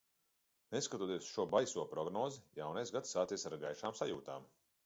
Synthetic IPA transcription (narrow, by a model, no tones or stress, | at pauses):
neskat̪uɔt̪iɛsʃuɔbajsuɔpɾɔɡnɔːzijawnajsɡat̪sːaːt̪siɛsaɾɡajʃaːmsajuːt̪aːm